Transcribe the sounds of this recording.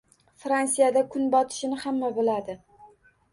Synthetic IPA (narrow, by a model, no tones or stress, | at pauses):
fɾansijad̪akʰʊnbɒt̪ʰɪ̥ʃɪnɪhamːabɪlad̪ɪ